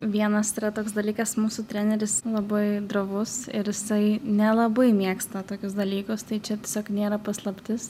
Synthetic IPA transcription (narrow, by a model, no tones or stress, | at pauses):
ʋʲiɛnɐsiɾɐt̪oːksd̪ɐlʲiːkɐsmuːsʊt̪ʲɾʲænʲɛɾʲɪslˠɐbɐɪd̪ɾoʋʊsɪɾjɪsɐɪnʲɛlˠɐbɐɪmʲiɛkst̪ɐt̪oːkʲʊsd̪ɐlʲiːkʊst̪ɐɪt͡ʃʲɛt̪ʲiɛsʲoːknʲeːɾɐpɐslˠɐpʲt̪ʲɪs